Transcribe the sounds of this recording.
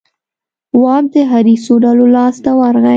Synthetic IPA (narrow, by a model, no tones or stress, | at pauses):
wɑb̚d̪əɦaɾisoɖalolɑst̪awaɾɣa